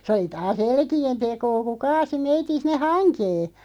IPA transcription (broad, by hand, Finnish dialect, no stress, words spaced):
se oli tɑːs elkien tekoː ku kɑːsi meitin̞ sinˑe hɑnkeː